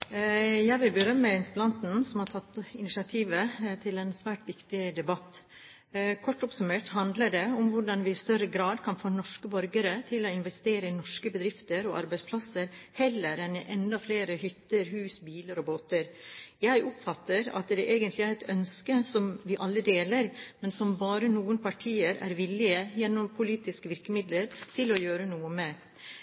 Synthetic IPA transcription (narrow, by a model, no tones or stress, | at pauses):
jæɪʋɪlbəɾœmːəɪnt̪əplɑnt̪n̩sɔmhɑʈ̪ʰɑt̪ːɪnɪsɑt̪ʰiːʋət̪ʰɪlɛnsʋæːʈʋɪkt̪ɪd̪ɛbɑt̪ː | kʰɔʈːɔpsʉmeːʈhɑnd̪ləɖɛʊmʋʊɖɑnʋɪɪst̪œɾəɡɾɑːd̪kʰɑnfoːnɔʂkəbœɾɡəɾət̪ʰɪlːɔɪnʋɛst̪eːɾəɪnɔʂkəbəd̪ɾɪft̪əɾɔʔɑ̰ɾbæɪspʰlɑsəɾhɛlːəɾɛnɪʔɛnd̪ɑfleːɾəhʏt̪ːəɾɦʉːsbiːləɾɔboːt̪əɾjæɪʔʊpfɑt̪ːəɾɑ̰t̪d̪ɛʔeːɡənt̪lɪæɾɛt̪œnskəsɔmʋɪʔɑlːəd̪eːləɾmɛnsɔmbɑːɾənuːənpʰɑʈʰiːəɾæ̰ɾʋɪlɪəjɛnːɔmpʰʊliːt̪ɪskəʋɪɾkəmɪd̪ləɾt̪ʰɪlɔjøːɾənuːəmɛ